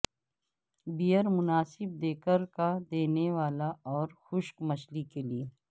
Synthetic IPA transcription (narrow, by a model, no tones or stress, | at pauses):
bijəɾmʊnaːsɪb̚d̪eːkəɾkad̪eːneʋaːlaɔːɾxʊʃkmɐʃlikelieː